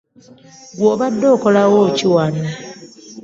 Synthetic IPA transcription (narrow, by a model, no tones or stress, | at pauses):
ɡwoːβadːoːkolawociwana